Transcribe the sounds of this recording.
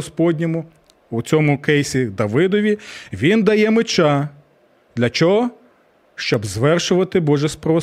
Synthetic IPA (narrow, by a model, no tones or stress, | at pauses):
spɔdʲnʲɔmʊ | ut͡sʲɔmʊkejsʲid̪ɐʋɪd̪ɔʋʲiʋʲind̪ɐjɛmɪt͡ʃɑ | d̪lʲɐt͡ʃɔɦɔ | ʃt͡ʃɔbzʋɛrʃʊʋɐt̪ɪbɔʒɛspɾɔʋɔ